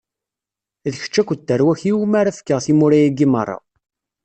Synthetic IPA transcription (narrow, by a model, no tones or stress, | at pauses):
ðçə̥t͡ʃːækʷəd̪ːəɾwæçiwumaɾafkːəʁθimuɾæjæɡimərˤːɑ̰